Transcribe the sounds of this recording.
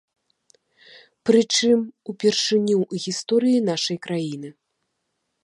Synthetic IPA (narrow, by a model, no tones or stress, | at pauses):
pɾɨt͡ʂɨmupʲɛrʂɨnʲuɣʲist̪ɔɾɨjinaʂɐjkɾajinɨ